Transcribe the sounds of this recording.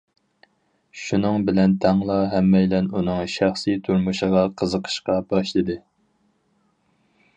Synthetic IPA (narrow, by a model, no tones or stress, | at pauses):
ʃunɨŋbɪlɛnt̪ʰɑŋlˠɑɦɛmːɛjlɛnunɨŋʃæχsit̪ʰuɾmuʃəʁɑqʰəzəqʰə̥ʃqɑbɑʃlˠɨd̪ɨ